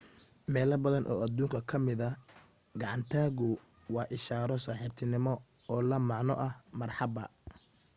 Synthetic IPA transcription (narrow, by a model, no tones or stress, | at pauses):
mɛːlɐbɐðɐnʔɔ̰ːɐd̪uːŋkʰɐkʰɐmɪðɐ | ɡɑʕɑnt̪ʰaːɣʊwɑːʔɪʃaːɾɔsaːħɪrt̪ʰɪnɪmɔ | ɔːlɐmɑʕnɔʔɐhmɐrħɑbɐ̰